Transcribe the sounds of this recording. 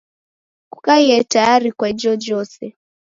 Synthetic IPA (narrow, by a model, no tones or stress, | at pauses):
ku̥kaiɛtajaɾikwad͡ʒɔd͡ʒɔsɛ